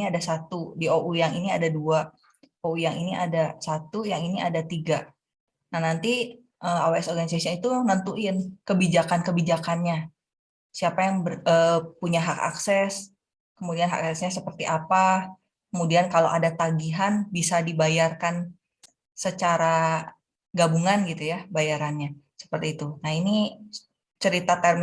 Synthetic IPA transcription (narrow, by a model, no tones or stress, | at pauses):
iadasat̪udioʔujaŋiniadadua | oujaŋiniʔa̰dasat̪ujaŋiniadat̪iɡa | nahnant̪i | ʔəmaweɛsɔrɡanisasionit̪unant̪uʔənkəbid͡ʒakankəbid͡ʒakanɲa | siapajaŋbəəpuɲaɦaka̰ksɛs | kəmudianɦa̰ka̰ksɛsɲasəpərt̪iʔapa | kəmudiankaloʔadat̪aɡiɦanbisadibajarkan | sət͡ʃaɾa | ɡabuŋanɡit̪ujabajaɾanɲa | sə̥pərt̪iːt̪unaini | t͡ʃəɾit̪at̪ərm